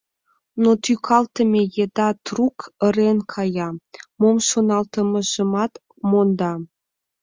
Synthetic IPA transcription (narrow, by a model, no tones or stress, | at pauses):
not̪ykʰɑlt̪ə̆mʲejed̪ɑt̪rukə̆ɾenkʰɑjɑmomʃonɑlt̪ɤ̆mɤ̆ʒə̆mɑt̪ | mond̪ɑ